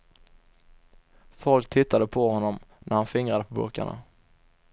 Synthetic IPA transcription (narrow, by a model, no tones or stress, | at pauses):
fɔlk̚t̪ʰɪt̪ːad̪əpʰɔhɔnːɔmnʔæɾhanfɪŋɾad̪əpʰɔbɵ̰ɾka̰ɳa̰